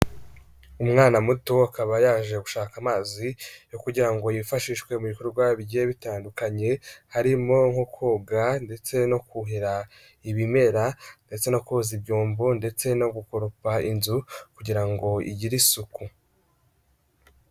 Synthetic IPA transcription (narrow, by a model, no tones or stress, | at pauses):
umŋaːnamutoakaβajaːʒe̞ɡuʃaːkamaːzijo̞kuɟiɾaŋɡo̞jifaʃiʃwe̞muβikoɾuɾɡwaβiɟeβitaːndukaɲe̞haɾimoŋhokʰoːɡande̞t͡se̞no̞kuɦiɾa | iβime̞ɾande̞t͡se̞no̞kozibjuːmbunde̞t͡se̞no̞ɡukoɾupainzukuɟiɾaŋɡo̞ḭɟiɾisuku